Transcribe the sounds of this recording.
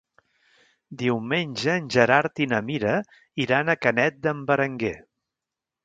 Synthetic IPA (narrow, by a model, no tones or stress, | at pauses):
d̪iwmenʲʒəːnʲʒəɾaɾt̪inəmiɾə | iɾanəkənɛt̪̚d̪əmbəɾəŋɡe